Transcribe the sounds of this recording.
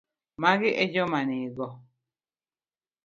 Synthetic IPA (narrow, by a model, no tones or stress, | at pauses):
maɡiʔed͡ʒɔmaniɡɔ